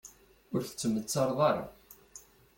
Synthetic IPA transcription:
ʊɾθə̥t͡sːəmːət͡sːɑɾˤðˤɑɾˤa̰

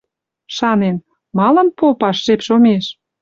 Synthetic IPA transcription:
ʃɑnen | mɑlənpopɑʃːepʃomeʃ

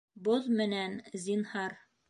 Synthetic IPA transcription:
boðmɘ̆nænzʲinhɑɾ

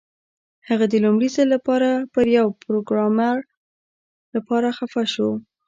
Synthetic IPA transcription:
haɣad̪əlumɽizəlapɑɾapəɾjawpɾoɡɾɑmaɾ | lapɑɾaxafaʃo

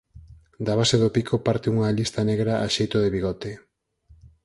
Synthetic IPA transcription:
d̪aβaseðopikʰopaɾt̪euŋaʎist̪aneɣɾaʔa̰ʃejt̪oðeβiɣɔt̪e

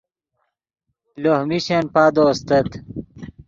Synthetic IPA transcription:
lohmiɕenpad̪oːst̪ɐt̪

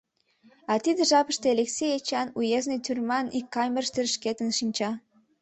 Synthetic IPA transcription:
ɑt̪id̪eʒɑpə̆ʃt̪eɑleksejet͡ɕɑnujeznet̪ʰyrmɑnikːɑmʲerʃt̪erʃket̪ənʃinʲt͡ɕɑ

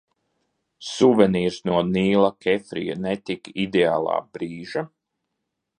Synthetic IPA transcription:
suvɛniːɾsnuɔniːlˠakɛfɾḭja̰nɛt̪ikid̪eaːlˠɑ̰ːbɾiːʒa

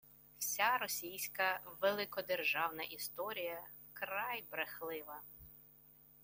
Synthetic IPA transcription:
w̥sʲaɾɔsʲijsʲkɐʋelˠɪkɔd̪erʒɑwnɐʔist̪ɔɾʲijɐ | krɑjbɾexlˠɪʋɐ

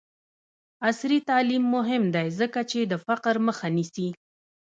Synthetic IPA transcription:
asɾit̪ɑlimːʊɦɪmd̪ajzəkat͡ʃed̪əfaqɾməxanisi

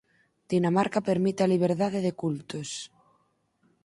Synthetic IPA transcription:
d̪̥inamaɾkapeɾmit̪ealiβ̞eɾðaðeðekult̪os

